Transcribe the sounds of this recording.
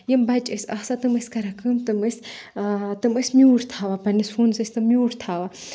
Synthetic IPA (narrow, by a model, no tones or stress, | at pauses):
jɐmbɐt͡ʃɨsʲɐsat̪ɨmɨsʲkɐɾɐkɨmt̪ɨmɨsʲ | t̪ɨmɨsʲmʲjuːɽt̪ʰaːʋapɐnisfuːnsɐsʲt̪ɨmːjuːɾt̪ʰaːʋa